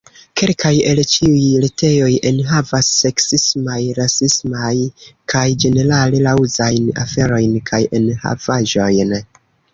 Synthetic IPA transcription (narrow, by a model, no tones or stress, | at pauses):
ke̞lkaje̞lt͡ʃiujlete̞jo̞jʔe̞nɦavasːe̞ksismajɾasismajkʰajd͡ʒe̞ne̞ɾalelawzajna̰fe̞ɾo̞jnkʰajʔe̞nha̰vaʒo̞jn